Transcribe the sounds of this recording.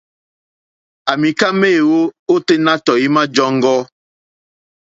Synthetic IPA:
a˨mi˨ka˦meː˦˨wo˦o˦te˦na˦tɔ˨i˦ma˦d͡ʒɔ˦ŋ˦ɡɔ˦

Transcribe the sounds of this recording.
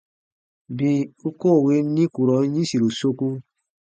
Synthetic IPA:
bĩ˧u˦ko˦˨we˨˦nĩ˦ku˨ɾɔ˨˦ɲĩ˦si˨ɾo˨so˧ku˧

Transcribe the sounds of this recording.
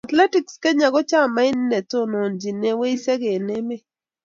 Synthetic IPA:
a˨t̪lɛ˦ti˨kske˦ɲa˨ɡɔ˦t͡ʃa˦˨ma˦ɪ˦nː˦ɛ˨to˦no˨nd͡ʒi˨ne˦we˦i˦sɛ˦ɡe˨ne˦me˦

